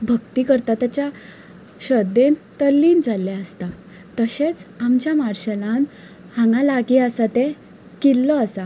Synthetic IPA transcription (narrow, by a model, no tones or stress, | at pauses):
bʱəɡt̪ikəɾt̪at̪jat͡ɕja | ɕəd̪ent̪əlːiːnd͡zʱalːeəst̪a | t̪əɕet͡samt͡ɕjamaɾɕelãn | hãŋɡalaɡiəsat̪e | kilːɔasa